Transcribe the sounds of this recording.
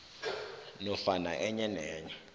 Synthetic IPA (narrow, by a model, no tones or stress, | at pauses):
nɔfana̰ʔɛɲɛnɛːɲɛ